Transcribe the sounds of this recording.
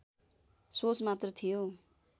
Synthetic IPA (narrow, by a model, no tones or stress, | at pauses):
sot͡smat̪rʌt̪ʰijo